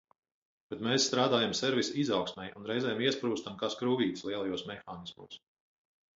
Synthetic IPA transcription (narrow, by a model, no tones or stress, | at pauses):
b̥ɛt̪mɛːssːt̪ɾaːd̪aːjamsɛɾvʲisizawksmʲɛjunɾɛjzɛːjamiɛspɾuːst̪amkaːskɾuːviːt̪slˠiɛlˠajuɔsmɛxaːnismuːs